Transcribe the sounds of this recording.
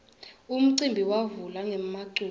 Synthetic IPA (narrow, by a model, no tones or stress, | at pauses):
um̩ǀimbʱiwavulaŋɛmaǃu